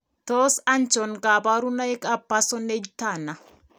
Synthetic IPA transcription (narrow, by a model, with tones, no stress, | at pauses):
t̪oːsɐnt͡ʃɔ˨ŋɡaːbaː˦ɾunɐ˦ɛ˦kʼɐpːaː˦sɔnːe˦d͡ʒɪt̪ːaː˨nːɐ˨